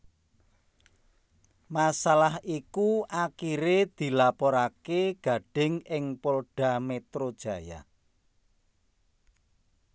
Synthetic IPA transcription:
masalahikuʔakiɾed̪̥i̤lapɔɾakeɡ̥ä̤ɖ̥ɪ̤ŋɪŋpolɖ̥ä̤met̪ɾod̥ʒ̥a̤ja̰

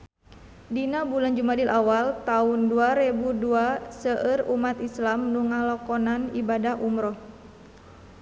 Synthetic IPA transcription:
dinabuland͡ʒumadilʔawalt̪aunduaɾɛbuduasəʔərumat̪islamnuŋalɔkɔnanibadaɦʔumɾɔh

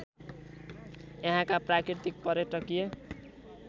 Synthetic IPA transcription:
jeɦãkaprakɾirt̪ik̚pʌɾjeʈʌkije

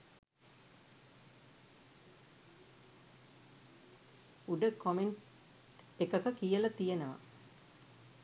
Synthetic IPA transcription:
uɖəkomeɳʈ | ekəkəkijəlɐt̪ijenəʋa̰

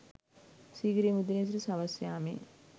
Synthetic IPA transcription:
siːɡɾimud̪ines̬ɾisaʋasjaːmḛ

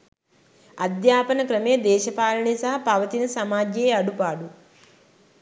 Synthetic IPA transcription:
ɐd̪jaːpɐnɐkɾɐmeːd̪ɛːʃɐpaːlɐɳisɐɦɐpɐʋɐt̪inɐsɐmaːd͡ʒeːɐɽupaːɽu

